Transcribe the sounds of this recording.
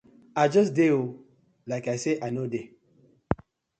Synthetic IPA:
ad͡ʒɔs̬deo | laɪkaɪseʔanode

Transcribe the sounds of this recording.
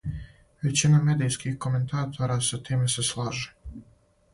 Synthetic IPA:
ʋe̞t͡ɕinamed̪ijskixko̞me̞nt̪ʰaːt̪ʰoɾasat̪iːmese̞slˠaːʒe

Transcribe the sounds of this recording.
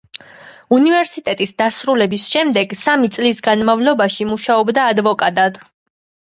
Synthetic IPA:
univɛɾsit̪ʼɛt̪ʼisd̪asɾulɛbisʃɛmd̪ɛɡsamit̪sʼlisɡanmavlɔbaʃimuʃaɔbd̪aːd̪vɔkʼat̪ʼad̪

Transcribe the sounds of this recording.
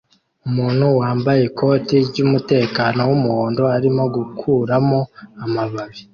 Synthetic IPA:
umuːn̥huwaːmbaje̞kʰo̞ːtiɾɟumute̞ːkaːno̞wumuhoːndo̞aɾimo̞ɡukʰuːɾamo̞amaβaβi

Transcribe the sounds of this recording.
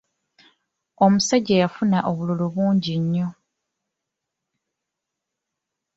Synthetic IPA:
omusaɟejafunaʔo̞βululuβuːɲɟiɲːo̞

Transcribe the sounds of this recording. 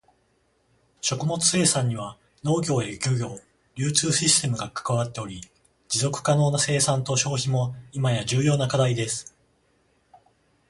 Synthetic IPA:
ɕo̞kɯ̟mo̞t͡sɨ̥se̞ːsãɲ̟ːiβ̞a | no̞ːɡʲo̞ːeɡʲo̞ɡʲo̞ː | ɾʲɨːt͡sɨːɕisɨ̥t̪e̞mɯ̟ɡakḁkaβat̪ːe̞o̞ɾʲi | d͡ʑizo̞kɯ̟̥kano̞ːnase̞ːsãnt̪o̞ɕo̞ːçimo̞imajaʑɨːjo̞ːnakad̪aid̪e̞sɨ̥

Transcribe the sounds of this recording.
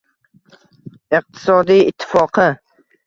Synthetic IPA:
ɪq̚t̪ʰɪ̥sɒd̪ijɪt̪ʰːɪ̥fɒqʰɨ

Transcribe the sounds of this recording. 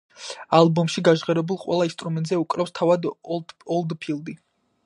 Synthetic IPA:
alˠbɔmʃiɡaʒʁɛɾɛbulˠqʼwɛ̰lˠaist̪ʼɾumɛnt̪ʼzɛukʼɾɛfst̪ʰavad̪ɔlˠd̪pʰilˠd̪i

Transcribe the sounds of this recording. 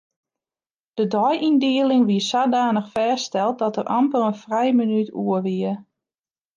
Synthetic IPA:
d̥ədɔjindiəlɪŋʋiəsaːdaːnəxfɛːstɛlˠt̚dɔtərʔɑmpələnfrɛjminytʰuəʋiə

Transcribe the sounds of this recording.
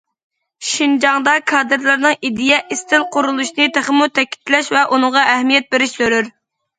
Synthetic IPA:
ʃind͡ʒɑŋd̪ɑkʰɑːd̪ɨɾlˠɨɾnɨŋid̪ijɛʔist̪ɪlˠqʰʊɾulˠuʃnɨt̪ʰeχəmut̪ʰɛkʲi̥t̪ʰlɛʃvɛʔunɨŋʁɑʔɛhmijɛt̪̚beɾɪʃsøɾyɾ

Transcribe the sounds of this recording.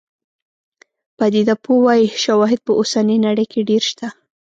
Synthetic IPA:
pad̪id̪apowɑjiʃawɑɦɪd̪̚pəʔosaninaɽəjkeɖeɾʃt̪a

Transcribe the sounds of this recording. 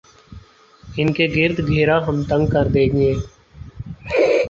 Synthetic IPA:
ɪnkeːɡɪɾd̪ɡʱeːɾaːɦəmt̪ə̃ŋɡ̚kəɾd̪eːɡɪẽː

